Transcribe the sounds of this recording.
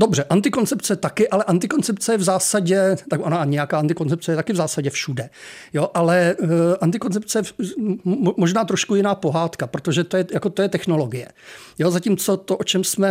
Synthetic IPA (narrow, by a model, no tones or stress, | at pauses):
do̞br̝ɛʔant̪ɪko̞nt͡sɛpt͡sɛt̪akɪʔalɛʔant̪ɪko̞nt͡sɛpt͡sɛjɛvzaːsaɟɛt̪aɡʔonaɲɛjakaːant̪ɪko̞nt͡sɛp̚t͡sɛjɛt̪akɪvzaːsaɟɛfʃudɛ | joʔalɛʔant̪ɪko̞nt͡sɛp̚t͡sɛjɛ | moʒnaːt̪ɾo̞ʃkujɪnaːpo̞ɦaːt̪kapɾot̪o̞ʒɛt̪o̞jɛjako̞t̪o̞jɛt̪ɛxno̞lo̞ɡɪjɛ̰ | jozaciːmt͡so̞t̪oʔot͡ʃɛmsmɛ